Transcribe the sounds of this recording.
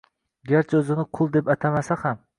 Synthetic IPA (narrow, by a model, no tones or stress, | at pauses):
ɡʲaɾt͡ʃʰaɵzɪnɪqʰʊlˠd̪e̞pat̪ʰamasaham